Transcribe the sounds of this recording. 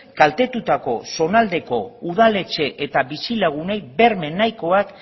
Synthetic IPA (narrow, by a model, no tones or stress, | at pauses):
kalt̪e̞t̪ut̪ako̞so̞nald̪e̞ko̞̰uð̞ale̞t͡ʃe̞ʔet̪aβisilaɣ̞une̞jbe̞ɾme̞nːajko̞ak